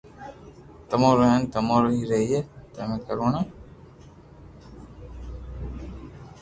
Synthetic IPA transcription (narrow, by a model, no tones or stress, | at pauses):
t̪əmõːɾəɦẽːnt̪əmõːɾoɦiːɾəɦiːet̪əmẽːkəɾoːɳãː